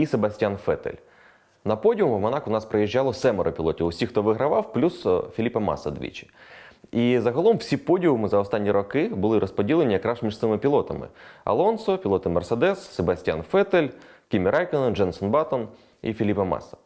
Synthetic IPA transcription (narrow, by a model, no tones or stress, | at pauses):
isebɐsʲtʲjanfɛ̰t̪ḛlʲ | nɐpɔdʲiʊmwmɔnɑkʊnɑspɾejiʒʲːɑlˠɔsɛmɛɾɔpʲilˠɔtʲiwʊsʲixt̪ɔʋɪɦɾɐʋɑwplʲusfʲilʲipɐmɑ̰sɐd̪ʲʋʲḭt͡ʃɪ̥ | izɐɦɔlˠɔmwsʲipɔdʲiɦʊmɪzɐɔst̪ɑnʲːiɾɔkɪbʊlˠɪɾɔspɔdʲilˠenʲijɐkɾɑʒmʲiʐt̪ɪmɪpʲilˠɔt̪ɐmɪ̰ɐ̰lˠɔnsɔpʲilˠɔt̪ɪmɛrsed̪ɛsːebɐsʲtʲja̰nfɛt̪elʲkʲimʲiɾʔɑjkɪnɔnd͡ʒɛnsɔnbɑt̪ɔn | ḭfʲilʲipɐmɑ̰sɐ̥